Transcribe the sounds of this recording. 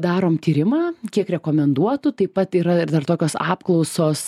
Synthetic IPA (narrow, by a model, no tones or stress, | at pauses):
d̪ɑːɾoːmt̪ʲiːɾʲɪmɑːkʲiɛkɾʲɛkoːmʲɛnd̪uɔt̪ʊt̪ɐɪpɐt̪iːɾɐɪd̪ɐrt̪oːkʲoːsɑ̰ːpklˠɒʊsoːs